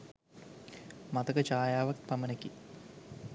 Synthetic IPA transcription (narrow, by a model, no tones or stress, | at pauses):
mɐt̪ɐkɐt͡ɕaːjaːʋɐk̚t̪̚pɐmɐnɐkːi